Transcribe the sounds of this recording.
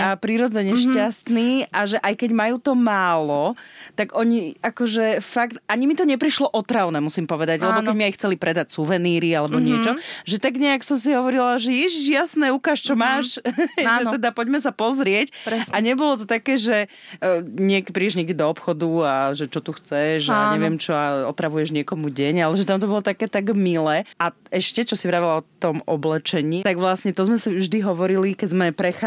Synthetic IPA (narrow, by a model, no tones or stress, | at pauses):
apɾiɾɔd͡zɛɲɛʃcast̪niːaʒɛʔajkɛɟmajuːt̪ɔmaːlɔt̪aɡʔɔɲiakɔʒɛfakt̪aɲimit̪ɔɲɛpɾiʃlɔʔɔt̪ɾaʊnɛmusiːmpɔʋɛd̪aɟlɛbɔkɛɟmiajxt͡sɛlipɾɛd̪acsuʋɛniːɾialɛbɔɲɪɛt͡ʃɔʒɛt̪aɡɲɛaksɔmsiɦɔʋɔɾilaʒɛjɛʒiʒjasnɛukaːʃt͡ʃɔmaːʃaɛɛd̪apɔɟmɛsapɔzɾɪɛcɾsaɲɛbɔlɔt̪ɔt̪akɛːʒɛ | ɲɪɛkpɾiɛʒɲɪɛɡɟɛd̪ɔɔpxɔd̪uaʒɛt͡ʃɔt̪uxt͡sɛʒaɲɛʋɪɛmt͡ʃɔaɔt̪ɾaʋujɛʒɲɪɛkɔmuɟɛɲalɛʒɛt̪amt̪ɔbɔlɔt̪akɛːt̪aɡmilɛːʔaɛʃcɛt͡ʃɔsivɾaːʋɛlaɔt̪ɔmɔblɛt͡ʃɛɲiːt̪aɡʋlasɲɛt̪ɔzmɛsiʒd̪iɦɔʋɔɾilikɛzmɛpɾɛxa